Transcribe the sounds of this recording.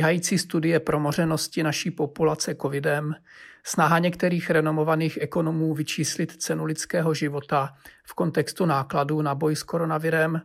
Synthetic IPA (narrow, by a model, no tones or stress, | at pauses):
ɦajiːt͡siːst̪udɪjɛpɾo̞mor̝ɛno̞scɪnaʃiːpo̞pulat͡sɛko̞vɪdɛmsnaɦaɲɛkt̪ɛɾiːxɾɛno̞mo̞vaniːxʔɛko̞no̞muːvɪt͡ʃiːslɪt̪t͡sɛnulɪt͡skɛːɦo̞ʒɪvo̞t̪afko̞nt̪ɛkst̪unaːkladuːnabo̞jsko̞ɾo̞navɪɾɛm